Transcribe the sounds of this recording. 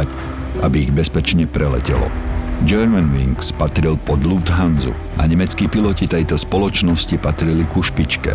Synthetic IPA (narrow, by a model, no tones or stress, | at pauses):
ac | abiːɣbɛspɛt͡ʃɲɛpɾʔɛlɛ̰cɛ̰lɔ̰d͡ʒɛɾmɛnʋiŋkspat̪ɾilpɔd̪lufd̪ɦanzṵ | ʔa̰ɲɛmɛt͡skiːpilɔcit̪ɛjt̪ɔspɔlɔt͡ʃnɔscipat̪ɾilikuʃpit͡ʃkɛ̰